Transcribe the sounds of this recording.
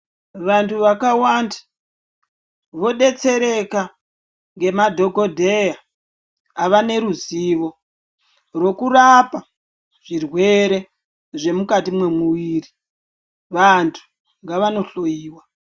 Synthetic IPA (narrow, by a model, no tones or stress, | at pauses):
ʋantʰuʋakawanda | ʋo̞ɗe̞t͡se̞ɾe̞ka | ŋɡe̞madʱo̞ɡʱo̞dʱejaː | ʋane̞ɾuziːʋo̞ | ro̞kurapa | ʐ̥irwe̞ɾe̞ | ʐe̞mukatimwe̞muwiːri | ʋantʰu̥ | ŋɡaʋano̞ɬo̞jiːwa